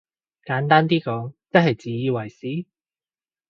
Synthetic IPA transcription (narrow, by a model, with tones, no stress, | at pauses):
kaː˨˧˥nt̪aː˥nt̪̬iː˥kɔː˨˥ŋt͡sɐ˥k̚hɐ˨˩jt͡siː˨˥jiː˧wɐ˨˩jsiː˨˥